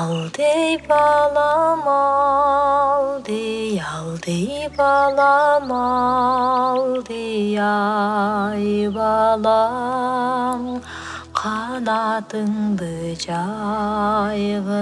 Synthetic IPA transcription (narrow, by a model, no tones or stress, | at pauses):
lˠd̪ejbɑlˠɑmɑ | lˠd̪ejɑlˠd̪ejbɑlˠɑmɑ | lˠd̪əjɑ | jbɑlˠɑ | m | qʰɑnɑt̪əɴd̪əd͡ʒɑ | jʁə